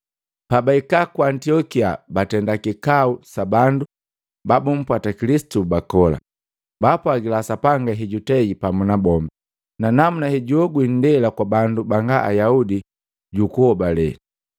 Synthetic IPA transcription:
pabaikakwantiɔkiabatɛndakikausabandu | babum̩pwatakilisi̥tubakɔla̰ | bapwaɡilasapaŋɡaɦiɟutɛɡipamunabɔmba | nanamunahiɟuɔɡwin̩dɛlakwabandubaŋɡaʔa̰jaudi | ɟukuhɔbalɛ̰i

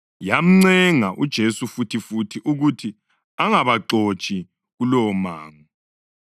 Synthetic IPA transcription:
jam̩ŋ͡ǀɛŋaʔud̥ʒ̥ʱesufutʰifutʰiʔuɣutʰi | aŋaβaǃot͡ʃʼi | ɣulɔmaːŋu

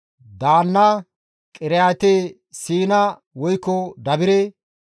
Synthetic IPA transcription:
d̪aːnːɐ | kʼɪɾɛjat̪eː | siːnɐ | wɔjkːɔd̪ɐbɪɾe

